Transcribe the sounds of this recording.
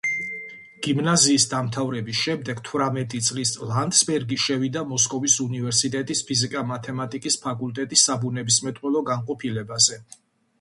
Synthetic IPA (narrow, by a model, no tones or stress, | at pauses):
ɡ̥imnaziːsd̪amt̪ʰavɾɛbisʃɛmd̪ɛɡt̪ʰvɾamɛt̪ʼit̪sʼlislant̪sbɛɾɡiʃɛvid̪amɔskʼɔvisunivɛɾsit̪ʼɛt̪ʼispʰizikʼamat̪ʰɛmat̪ʼikʼispʰakʼult̪ʼɛt̪ʼisːabunɛbismɛt̪ʼqwɛlˠɔɡanqʼɔpʰilɛbazɛ